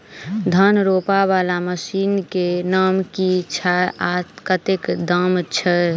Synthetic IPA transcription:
d̪ʱənɾoːpaʋaːlaməsiːnkenaːmkit͡ʃʰaat̪kət̪ɪkd̪əmt͡ʃʰə

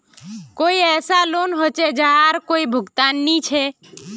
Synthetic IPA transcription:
koiɛːsalonɦot͡ʃed͡ʒaaɾkoibʱʊɡt̪aːnːit͡ʃʰe

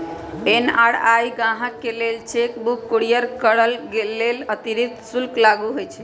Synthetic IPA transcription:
ena̰ɽajɡãɦəkːelelt͡ʃekbukːoɽijəɾkəɽəlɡelelət̪iɾid̪sulklaɡuɦojt͡ʃʰɛ̥

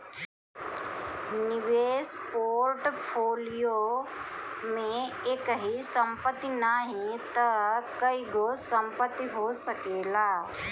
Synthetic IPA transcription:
nɪʋeːspoːɾʈpʰoːlijo | mẽeːkɦisɐ̃mpət̪ːinaːɦĩt̪ɐkɐiɡosɐ̃mpət̪ːiɦosɐkeːlaː

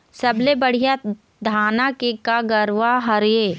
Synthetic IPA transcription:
sɐblebɐɽ̤ija | d̪ʱaːnakekaɡɐɾʋaɦɐɾjeː

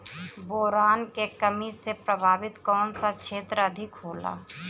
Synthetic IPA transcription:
boːɾaːnkekɐmisepɾəbʱaːʋɪt̪kɔːnsakʃʰeːt̪ɾəɐd̪ʱɪkɦoːla̰ː

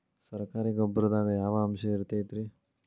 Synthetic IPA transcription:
sɐɾkaːɾiɡobːɐɾɐd̪aːɡɐjaːʋɐːmʃɐiɾt̪et̪ɾi

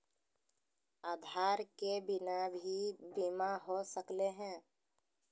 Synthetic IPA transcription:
aːd̪ʱaːɾkebɪnabʱibimaɦosəkleɦɛ̃ː

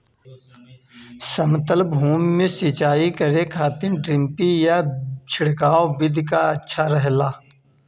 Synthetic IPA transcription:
səmt̪əlbɦuːmːẽsɪt͡ʃaːikəɾekʰaːt̪ɪɾɖɾɪ̃mpijat͡ʃʰɪɽkaːobɪd̪ʱkaɐtːʃʰaɾəɦlaː

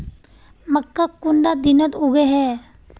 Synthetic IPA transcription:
məkːakːʊɳɖad̪ɪnət̪uɡeɦɛː

